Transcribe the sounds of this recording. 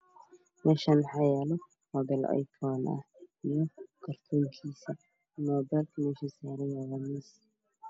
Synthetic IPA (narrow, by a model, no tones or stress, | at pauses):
mɛːʃaːnħɑjɛlɔ | hɔbɛlɛ̰jkʰɔːnɐ̰ | ijɔkʰɐrt̪ʰɔːŋkʰiːsɐ | mɔːbɛlkʰmɛːʃisaːɾɛjɛɣɐmɛs